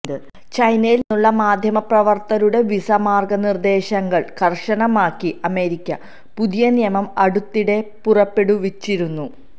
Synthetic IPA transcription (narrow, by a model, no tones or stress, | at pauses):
d̪ɨ | t͡ɕɐjnɐjilnːuɭːɐmaːd̪ʱjɐmɐprɐʋɐrt̪ɐɾuɽe̞ʋisɐmaːrɡɐnird̪e̞ːɕɐŋɡɐɭkɐrʂɐnɐmaːkːiʔɐme̞ːɾikʲːɐ | puðijɐnijɐmɐmɐɽut̪ːiɽe̞purɐpːe̞ɽuʋit͡ɕːiɾunːu